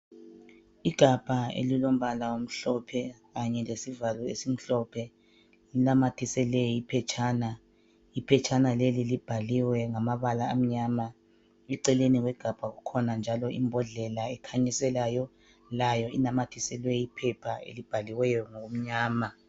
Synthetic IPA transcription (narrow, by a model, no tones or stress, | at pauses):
iɡ̥ʱab̥ʱaḛlilom̩βalawom̩ɬɔpʰɛɣaɲɛlesivalɔesim̩ɬɔpʰɛ | linamatʰisɛlɛipʰɛt͡ʃʰʼaːna | ipʰɛt͡ʃʰʼanalelilib̥ʱaliwɛŋamaβalaːm̩ɲaːma | ɛǀɛleniɣwɛɡ̥ʱab̥ʱaɣukʰɔnand͡ʒʱalɔʔḭmbʱɔɮɛlaɛkʰaɲisɛlajɔ | lajɔinamatʰisɛlwɛipʰɛpʰaḛlib̥ʱaliwɛjɔŋoɣom̩ɲaːma